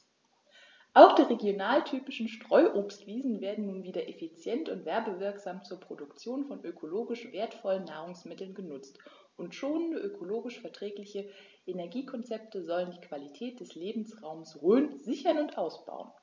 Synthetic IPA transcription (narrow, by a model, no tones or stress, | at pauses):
ʔaʊxd̥iːʁeɡjonaːltʰyːpɪʃn̩ʃtʁ̥ɔʏʔoːpstv̥iːzn̩veːɐdn̩nuːnviːdɐʔefit͡sjɛntʊntv̥ɛɐbəvɪɐkz̥aːmt͡suːɐpʁ̥odʊkt͡sjoːnfɔnʔøkʰoloːɡɪʃv̥eːɐtfɔlənːaːʁ̞ʊŋsmɪtl̩nɡənʊt͡st | ʔʊntʃoːnəndəʔøkʰoloːɡɪʃfɛɐtʁ̥ɛːklɪçə | ʔenɛɐɡiːkʰɔnt͡sɛp̚təzɔləndiːkv̥alitʰɛːt̚d̥ɛsleːbm̩sʁaʊmsʁøːnzɪçɐnʊntʔaʊsb̥a̰ʊən